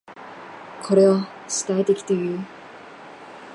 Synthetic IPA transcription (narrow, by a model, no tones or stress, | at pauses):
kʰoɾea | ɕi̥t̪ajt̪ekʲi̥t̪eju